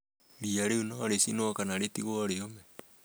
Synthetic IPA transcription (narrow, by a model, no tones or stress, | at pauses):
ɾiaɾeunɔɾesinoakanaɾetiɣoaɾeomɛ